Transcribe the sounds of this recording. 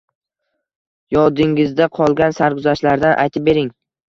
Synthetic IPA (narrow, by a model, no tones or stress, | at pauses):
jɒd̪ɪŋɪzd̪aqʰɒlˠɡʲansaɾkʊzaʃlaɾd̪anʔa̰jt̪ʰɪp̚be̞ɾɪŋ